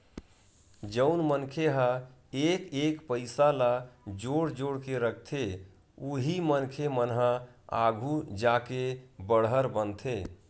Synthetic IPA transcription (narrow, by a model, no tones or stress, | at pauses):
d͡ʒəʊnmənkʰeɦəekekpəɪsalad͡ʒoɽd͡ʒoɽkeɾəkʰt̪ʰe | uɦimənkʰemənɦəa̰ɡʱud͡ʒakebəɽɦəɾbənt̪ʰe